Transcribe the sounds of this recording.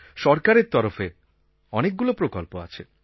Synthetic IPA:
ʃɔɾkaɾeɾt̪ɔɾofe | ɔnek̚ɡulopɾokolpoa̰t͡ɕʰe

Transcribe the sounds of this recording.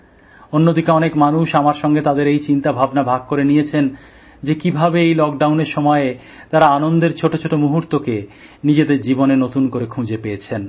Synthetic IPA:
onːod̪ikeɔnekmanuʃamaɾʃɔŋɡet̪ad̪eɾejt͡ɕint̪abʱabnabʱaɡ̚koɾenijet͡ɕʰen | d͡ʑekibʱabeejlɔk̚ɖawneɾʃɔmɔe | t̪aɾaanond̪eɾt͡ɕʰoʈot͡ɕʰoʈomuɦuɾt̪oke | nid͡ʑed̪eɾd͡ʑibonenot̪unkoɾekʰũd͡ʑepejet͡ɕʰen

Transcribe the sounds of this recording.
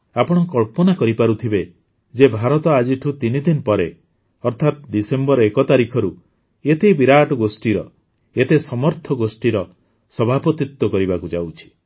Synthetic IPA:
apɔɽ̃ɔkɔɭpɔnakɔɾipaɾut̪ʰibe | d͡ʒebʱaɾɔt̪ɔad͡ʒiʈʰut̪inid̪inpɔɾe | ɔɾt̪ʰat̪d̪isembɔɾɔekɔt̪aɾikʰɔɾu | et̪ebiɾaʈɔɡosʈiɾɔ̰ | et̪esɔmɔɾt̪ʰɔɡosʈiɾɔ | sɔbʱapɔt̪it̪wɔkɔɾibakud͡ʒawt͡ʃʰi̥

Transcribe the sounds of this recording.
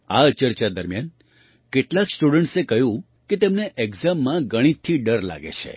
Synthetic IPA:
aət͡ʃəɾt͡ʃad̪əɾmjan | keʈlaksʈuɖəɳʈsekəɦjũ | ket̪emneʔeɡzamːãɡəɽ̃it̪ʰːiɖəɾla̰ɡḛt͡ʃʰḛ

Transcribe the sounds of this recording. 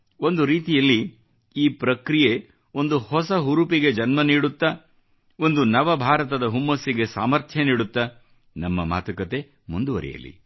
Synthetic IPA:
o̞nd̪uɾiːt̪ijɐlːi | iːpɾɐkɾije̞ | o̞nd̪uhɔsɐɦuɾupiɡe̞d͡ʒɐnmɐniːɽut̪ːɐ | o̞nd̪unɐʋɐbʱaːɾɐt̪̬ɐd̪ɐɦumːɐsːiɡe̞saːmɐɾt̪ʰjɐniːɽut̪ːɐ | nɐmːɐma̰ːt̪ɐkɐt̪e̞ | mund̪uʋɐ̰ɾḭjɐ̰lːḭ

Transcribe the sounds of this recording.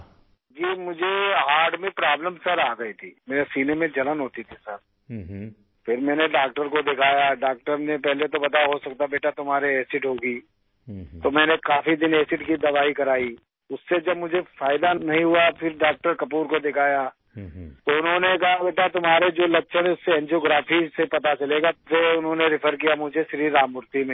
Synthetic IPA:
d͡ʒiːmʊd͡ʒʱeɦaːɾɖmẽpɾaːbləmsɐɾaːɡɐit̪ʰiːmeːɾesiːnemẽd͡ʒɐlənɦoːt̪it̪ʰisɐɾ | fʰɪɾmɛ̃ːneɖaːk̚ʈəɾkod̪ɪkʰaːjaɖaːk̚ʈəɾnepɛɦlet̪obɐt̪aɦosɐkt̪abeːʈat̪ʊmɦaːɾeɛːsɪʈɦoːɡi | t̪omɛ̃ːnekaːfid̪ɪneːsɪʈkid̪ɐʋaːikɐɾaːi | ʊsːed͡ʒɐbmʊd͡ʒʱefaːɪd̪anɐɦĩɦuapʰɪɾɖaːk̚ʈəɾkɐpuːɾkod̪ɪkʰaːja | t̪oʊnɦõːnekɐɦabeːʈat̪ʊmɦaːɾed͡ʒoːlɐtːʃʰəɽ̃eʊsːeɛ̃nd͡ʒoːɡɾaːfʰisepɐt̪at͡ʃɐleːɡaseʊnɦõːneɾɪpʰəɾk̬ijamʊd͡ʒʱeʃɾiːɾaːmʊɾt̪imẽː

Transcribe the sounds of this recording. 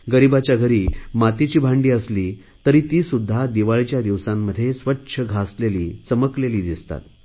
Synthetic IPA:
ɡəɾibat͡ɕjaɡʱəɾiːmat̪it͡ɕiːbʱaɳɖiːəsliː | t̪əɾiːt̪iːsud̪ʱːad̪iʋaɭt͡ɕjad̪iʋsãmːəd̪ʱːjesʋətːɕʰəɡʱasleliːt͡səməkleliːd̪ist̪a̰t̪

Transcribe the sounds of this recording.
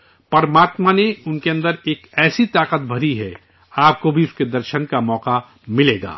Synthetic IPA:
pɐɾmaːt̪maneʊnkeɐ̃nd̪əɾeːkɛːsit̪aːqət̪̚bʱɐɾiɦɛ | aːp̚kobʱiʊsked̪ɐɾʃənkamɔːqa | mɪleːɡa̰ː

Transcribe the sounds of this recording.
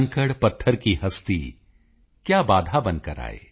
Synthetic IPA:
ŋkəɽpɐt̪ʰːəɾkiɦɐst̪ḭ | kjaːbaːd̪ʱabɐ̃nkɐɾa̰ːḛː

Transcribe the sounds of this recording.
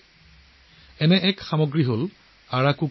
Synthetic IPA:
ɛnɛʔɛkxamɔɡɹiɦol | aɹakuk

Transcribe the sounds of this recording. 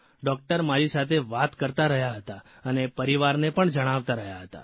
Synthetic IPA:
ɖɔk̚ʈəɾmaɾisat̪ʰeʋat̪kəɾt̪aɾəɦjaɦət̪a | ənepəɾiʋaɾnepəɳd͡ʒəɽ̃aʋt̪aɾəɦjaɦət̪a̰

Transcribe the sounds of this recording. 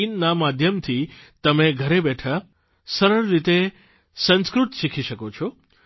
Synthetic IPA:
innamad̪ʱjəmt̪ʰit̪əmeɡʱəɾebɛʈʰa | səɾəɭːit̪e | sə̃nskɾut̪ʃikʰiʃəkot͡ʃʰɔ

